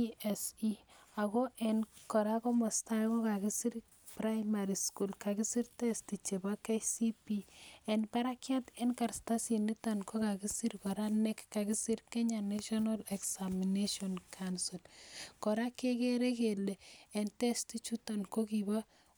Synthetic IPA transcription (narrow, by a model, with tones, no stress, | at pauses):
ɛsia˨kɔʔɛ˨nkɔ˨ɾa˦kɔ˦mɔ˨sta˦kɔ˦ka˨kisi˦ɾ | pra˦jmaɾisku˦lka˨ki˦si˦ɾtɛ˦sti˨t͡ʃe˨ba˦ke˦si˦piɛ˨npa˦ɾa˦kja˦tɛ˦nka˨ɾsta˦si˨ni˦tankʰo˦ka˨ki˦si˦ɾkɔ˨ɾa˦nɛ˦kːa˨ki˦si˦ɾkɛ˦ɲa˨neʃɔnalɛksamineʃɔnkʰansi˨lkɔ˨ɾa˦ke˦keɾe˦keleː˨ntɛ˦sti˦t͡ʃu˦ta˨nko˦kiba